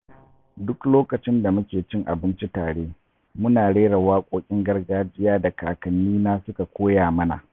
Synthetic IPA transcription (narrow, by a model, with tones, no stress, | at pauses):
dʊ˦kloː˦kɐ˨t͡ʃɪ˦nda˨mʊ˦kʲeː˨t͡ʃɪ˦ŋʔa̰˨bɪ˦nt͡ʃi˦taː˨ɽeː˦ | mʊ˦naː˨ɽeː˦ɽa˨waː˦kʷʼoː˦kʲʼɪ˦ŋɡɐ˦rɡaː˦d͡ʒɪ˦jaː˦da˨kaː˨kɐ˨nːiː˦naː˦sʊ˦ka˨kʷoː˦jaː˨mɐ˦na̰˨ʔ